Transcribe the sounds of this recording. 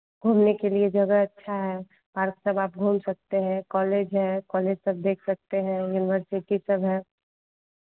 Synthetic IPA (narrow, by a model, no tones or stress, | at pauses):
ɡʱuːmnekelied͡ʒɐɡəɐtːʃʰaɦɛ | paːɾksɐbaːp̚ɡʱuːmsɐk̚t̪eɦɛ̃kɔːleːd͡ʒɦɛ̃kɔːleːd͡ʒsɐb̚d̪eːkʰsɐk̚t̪eɦɛ̃juːnɪwəɾsɪʈisɐbɦɛ̃ː